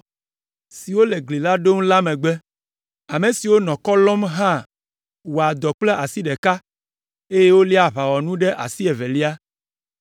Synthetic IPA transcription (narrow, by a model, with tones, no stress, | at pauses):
si˨wo˦le˨ɡli˨la˦ɖo˦ŋ˦la˦mẽ˨ɡ͡bɛ˦ | a˨mẽ˨si˨wo˦nɔ̃˨kɔ˦lɔ̃˦mɦã˦˨ | wo˨a˨d̪ɔ˨k͡plɛ˦ʔa˨si˦ɖɛ˨ka˦ | e˦je˦wo˦li˦a˨βa˨wɔ˨nũ˦ɖɛ˦ʔa˨si˦ɛ˨vɛ˨li˦a˦